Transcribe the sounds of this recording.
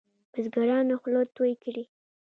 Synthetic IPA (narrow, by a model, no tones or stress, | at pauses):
mazɡaɾɑnaxlot̪ojkɽi